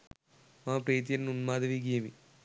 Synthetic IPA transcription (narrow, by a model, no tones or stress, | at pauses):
mãːpɾeːt̪̬jɐnnunmaːd̪ɐʋiɡijɐmi